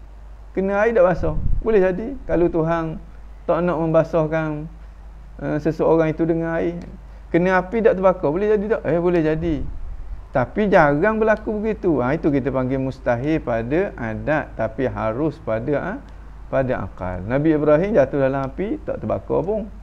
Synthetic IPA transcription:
kənəaidɔʔbasɔhbolɛhd͡ʒadikalut̪uɦan | t̪ɔʔnɔʔ̚məmbasɔhkan | əsəsəoɾaŋit̪udəŋaai | kənəapidɔʔt̪əbakɔbolɛɦd͡ʒadidɔʔehbolɛhd͡ʒadi | t̪apid͡ʒaɣaŋbəlakubəɡit̪uait̪uk̬it̪əpaŋɡɪmust̪aɦɪlpadəa̰daʔt̪ːapiɦa̰ɾʊspadəa | padəʔa̰ka̰lnabiibɾaɦɪmd͡ʒat̪ʊhdalamapit̪ɔ̰ʔt̪əba̰kɔ̰pʊŋ

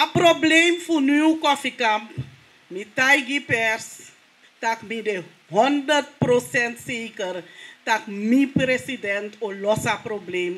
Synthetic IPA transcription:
aproblejmfunywkɔfikamp | mitajɡipɛrs | takmide | ɦɔndərt̚prosɛntseːkərtak̚mipresidɛntɔlɔsaprobleːm

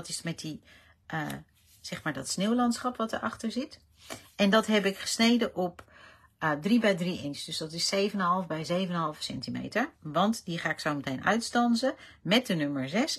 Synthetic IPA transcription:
tɪsmɛt̚di | ə | z̥ɛχmaːɹdɔtsneːwlɑntsχɑpʋɑtə̰ɹʔɑχtəɹzɪt | ɛndɑtɦɛpɪkχə̥snejdəʔɔp | dribɛjdriʔɪnsd̥ɵsdɑtɪsːejvənəɦɑlˠvbɛjzejvənənɦɑlˠfsɛ̰ntimḛjtəɹʋɑntdiχaːɪksowmətejnʔœ̰ɥtstɑnsə | mɛt̚dənøməɹzɛs

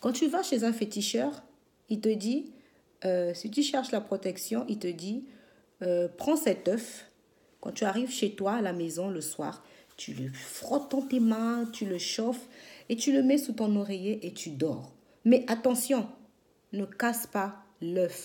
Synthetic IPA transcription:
kɑ̃t̪yvaʃezɛ̃fet̪iʃœʁ | ilt̪əd̪i | øsit̪yʃɛʁʃlapχɔt̪ɛksjɔ̃ʔilt̪əd̪i | øpχɑ̃sɛt̪œf | kɑ̰̃t̪yaʁivʃet̪waːlamezɔ̃ləswa̰ːʁ | t̪ʰyləfχɔt̪ɑ̃t̪emɛ̃t̪yləʃɔfet̪yləmɛsut̪ɔ̃nɔʁejeʔet̪yd̪ɔ̰ːʁ | mɛʔat̪ɑ̃sjɔ̃ | nəkaspa | lœf

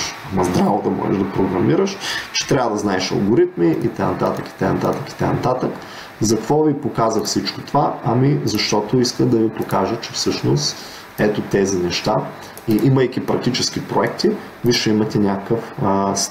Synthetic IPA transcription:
mɐzd̪ɾavot̪ɐmɔ̰ʒɛ̰ʒd̪ɐpɾoɡɾɐmiɾəʃt͡ʃɛ̥t̪ɾʲavəd̪ɐznaɛʃɐ̰lˠɡoɾit̪̚miʔit̪ɐanɐt̪a̰t̪əki̥t̪ajnɐt̪a̰t̪ə̥ki̥t̪ajnɐt̪at̪ək | zɐkvɔvipokazəxfsit͡ʃko̥t̪ovaɐmizɐʃt̪ɔt̪oiskəd̪ɐvipokaʒət͡ʃɛ̥fsɤʃnost̪ | ɛt̪ot̪ɛzinɛʃt̪a̰ | iʔiməjkʲipɾɐ̰k̚t̪it͡ʃɛsk̟ipɾoɛkt̪i | viʃɛimɐt̪ɛnʲakəkəf

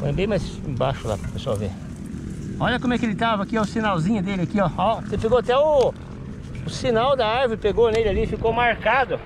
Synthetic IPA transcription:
fo̰j̃bẽj̃maz | ḛ̃baʃʊla̰pɾɐpesuawvḛ | ɔʎɐkõmʊɛkɪelɪt̪avɐakiaʊsinawzĩɲʊd̪elɪakiɔɔsepeɡowat̪ɛʊ | sinawd̪ɐaɾvʊɾɪpeɡonelɪalifikowmaɾkad̪ʊ

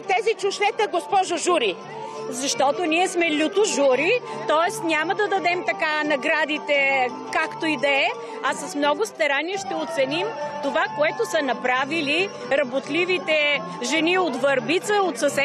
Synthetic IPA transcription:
t̪ɛzit͡ʃʊʃnɛt̪ɛɡospɔʒoʒuɾi | zɐʃt̪ɔt̪oniɛsmɛlʲut̪ʊʒuɾit̪ɔɛst̪nʲaməd̪ɐd̪ɐd̪ɛmt̪ɐkanɐɡɾad̪it̪ɛ | kakt̪oid̪ɐɛ | ɐsɐsmnɔɡʊst̪ɐɾaniɛʃt̪ɛot̪sɛnimt̪ovakoɛt̪osənɐpɾavili | ɾɐbot̪lʲivit̪ɛ | ʒɛniot̪vɐɾbit̪səot̪sɐfsɛ

